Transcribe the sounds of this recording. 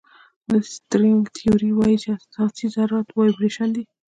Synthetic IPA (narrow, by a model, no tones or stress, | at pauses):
d̪əst̪ɾɪŋɡt̪ʰioɾiwɑjit͡ʃeasɑsizaɾɾat̪wɑjipɾeʃand̪i